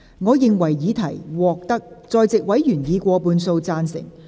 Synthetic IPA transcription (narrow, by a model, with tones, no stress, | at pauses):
ŋɔː˨˧jɪ˨ŋwɐ˨˩jːiː˨˧t̪ʰɐ˨˩jwɔː˨k̚t̪ɐ˥k̚t͡sɔː˨˧jt͡sɪ˨k̚wɐ˨˥jjyː˨˩njiː˨˧kʷɔː˧puː˨˧nso˧wt͡saː˧nsɪ̰˨˩ŋ